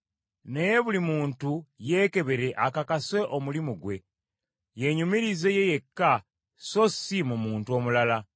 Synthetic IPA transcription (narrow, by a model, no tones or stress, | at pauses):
ne̞je̞βulimuːntuje̞ːke̞βe̞ɾe̞ʔakakase̞ʔo̞mulimuɡwe̞̰ | je̞ɲumiɾize̞je̞je̞kːa | so̞simumuːntuo̞ːmulala